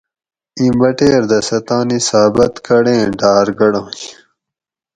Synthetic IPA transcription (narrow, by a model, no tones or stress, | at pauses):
ĩːmbɐʈeːɾd̪ɐsɐt̪ãːnisaːbɐt̪kɐɽẽːɖaːɾɡɐɽõːj